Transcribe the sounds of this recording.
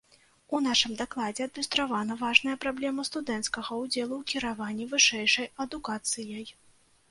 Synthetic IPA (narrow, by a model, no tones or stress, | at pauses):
unaʂɨmd̪aklˠad͡zʲɛɐd̪̚mʲist̪ɾavanɐvaʐnɐjɐpɾablʲɛmɐst̪ud̪ɛnt̪skɐɣɐud͡zʲɛlˠuwkʲiɾavanʲːivɨʂɛjʂɐjɐd̪ukat̪sɨjɐj